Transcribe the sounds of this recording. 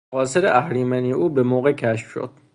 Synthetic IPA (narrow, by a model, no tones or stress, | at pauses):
ɣɒːseɾeʔæhɾiːmænijʔuːbemoːɣecʰæʃfʃo̰d̪̥̚